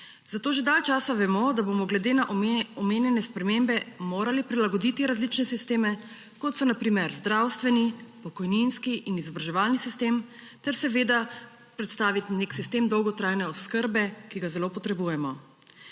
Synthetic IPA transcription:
z̥at̪oːʒed̪alt͡ʃaːsaʋɛmɔd̪abomɔɡlɛd̪eːnaʔɔmeːnjɛnɛspɾɛmembɛmoːɾalipɾilaɡɔd̪it̪iɾazlit͡ʃnɛsist̪eːmɛ | kɔt̪sɔnapɾiːmɛɾzd̪ɾawst̪ʋɛnipɔkɔjninskiʔinizɔbɾaʒɛʋaːlnisist̪eːm | t̪ɛɾsɛʋeːd̪a | pɾɛt̪st̪aːʋit̪neksist̪eːmd̪ɔwɡɔt̪ɾaːjnɛɔskəɾbɛkiɡazɛloːpɔt̪ɾɛbuːjɛmɔ

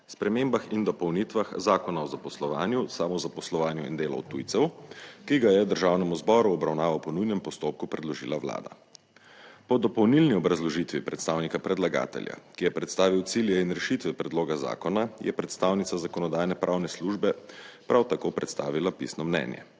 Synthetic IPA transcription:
spɾɛmeːmbaxind̪ɔpɔwnit̪ʋaxzaːkɔnaɔzapɔslɔʋa̰ːnjusaːmɔzapɔslɔʋaːnjuḭnd̪eːlɔ̰wt̪ujt̪sɛwkiɡajɛwd̪əɾʒaːwnɛmuzbɔɾuɔbɾawnaːʋawpɔnujnɛmpɔst̪op̚kupɾɛd̪lɔʒḭːlaʋla̰ːd̪a̰ | pɔd̪ɔpɔwnilniɔbɾazlɔʒit̪ʋipɾɛt̪st̪aːwnikapɾɛd̪laɡa̰ːt̪ɛ̰lja̰kijɛpɾɛt̪st̪aːʋiwt̪siljɛinɾɛʃit̪ʋɛpɾɛd̪loːɡaza̰ːkɔnajʔɛpɾɛt̪st̪awnit̪sazakɔnɔd̪aːjnɛpɾʔawnɛsluʒbɛpɾawt̪akopɾɛt̪st̪a̰ːʋilapḭsnɔmnɛ̰njɛ̰

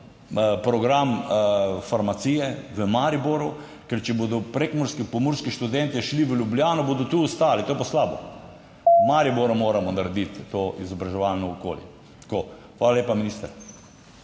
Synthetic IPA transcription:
pɾɔɡɾam | faɾmat̪siːjɛʋəmaɾiboɾu | kɛɾt͡ʃɛbod̪ɔpɾekmɔɾskipɔmuɾskiʃt̪ud̪ɛnt̪iʃliʋəljubljaːnɔbod̪ɔt̪uːst̪aːlit̪oːjɛpaslaːbɔ̰ | maɾiboɾamoːɾamɔnaɾɛd̪it̪ːoʔizɔbɾaʒɛʋalnɔɔko̰ljɛ̰ | t̪koː | xʋaːlaljeːpaminist̪əɾ

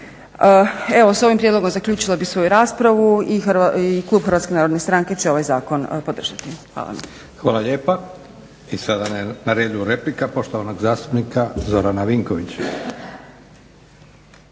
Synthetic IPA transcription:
əe̞ʋo̞so̞ʋimpɾjed̪lo̞ɡo̞mzaklʎʲuːt͡ʃilˠobisʋo̞juɾaːspɾaʋuiiklˠuːbxɾʋat̪skenaːɾod̪ne̞st̪ɾaŋke̞t͡ɕeo̞ʋajzaːko̞npo̞d̪r̩ʒ̥at̪ixʋa̰ːlˠa̰ma̰ | xʋaːlaʎeːpa | isad̪annaɾed̪ujuɾeplikapo̞ʃt̪oʋanoɡzaːst̪upnikazo̞ɾanaʋiŋkoʋit͡ɕ

